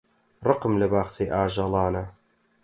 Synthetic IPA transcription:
rˤɨqmlɐbaːxseːʔaːʒɑlˠɑːnɐ

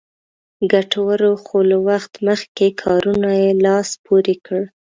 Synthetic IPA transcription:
ɡaʈawaɾoxolawaxt̪məxkekʰɑɾunajelɑspoɾekəɽ

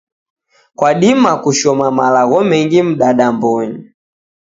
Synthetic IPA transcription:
kwaɗimakuʃɔmamalaɣɔmɛŋɡim̩ɗaɗambɔɲi

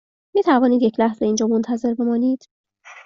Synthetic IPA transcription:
miːt̪ʰævɒːniːd̪je̞cʰlæhzeind͡ʒɒːmont̪ʰæze̞ɾbe̞mɒːniːd̪̥

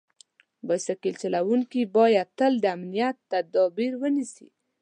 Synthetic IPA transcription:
bajsakilt͡ʃalawuŋkibɑjad̪̚t̪əld̪əamnijat̪ːad̪ɑbiɾwənisi

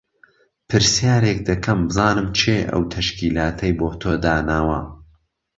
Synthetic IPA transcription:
pʰɨɾsjaːɾek̚d̪ɐkʰɐmbɨzɑːnɨmt͡ʃʰeːʔɐ̰wt̪ʰɐʃkiːlaːt̪ʰɐjboːt̪ʰoːd̪aːnaːwɐ

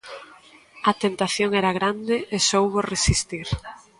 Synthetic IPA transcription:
ɐt̪ent̪aθjoŋɛɾaɣɾand̪eesowβoresist̪iɾ

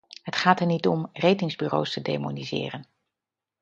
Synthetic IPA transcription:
ɦətχaːtɛɹnitɔmrejtɪŋzbyro̰wstədemonizɪ̰ːrən

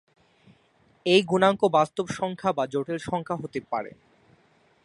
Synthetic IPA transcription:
ejɡunaŋkobast̪obʃɔŋkʰabad͡ʑoʈelʃɔŋkʰaɦot̪epa̰ɾḛ

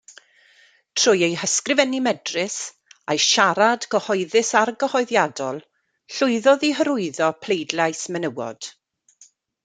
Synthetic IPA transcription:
tʰr̥ʊjejhəskrɪvɛnimɛdrɪs | ajʃaɾadɡəhɔɨðɪsarɡəhɔɨðjadɔlˠ | ɬʊɨðɔðiɦəɾʊɨðɔpʰl̥ejdlˠajsmɛnəwɔ̰d̥

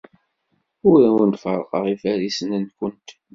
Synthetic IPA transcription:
ʊɾæwənt̪fə̰ɾˤqə̰ʁifæɾisənənkʷənt̪

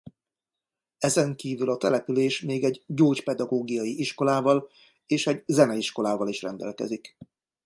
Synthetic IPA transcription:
ɛzɛŋkiːvylɒt̪ɛlɛpyleːʃmeːɡɛɟɟoːcpɛd̪ɒɡoːɡijɒjiʔiʃko̞laːvɒl | eːʃɛɟzɛnɛiʃko̞laːvɒliʃrɛnd̪ɛ̰lkɛ̰zik

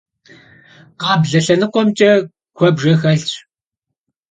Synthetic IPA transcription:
qɑːbɮɐɬɐnɨqʷɔmt͡ʃʼɐ | kʷʰɔbʒeːxɐɮt͡ʃʼ

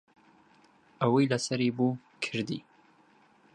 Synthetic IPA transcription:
ʔɐwɐjlɐsɐɾibuː | kʰɨɾd̪ḭ

